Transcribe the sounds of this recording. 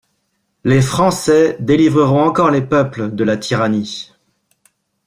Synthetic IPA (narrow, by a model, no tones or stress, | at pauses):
lefχɑ̃sɛd̪elivʁəʁɔ̃ɑ̃kɔʁlepœpləd̪əlat̪ʰiʁani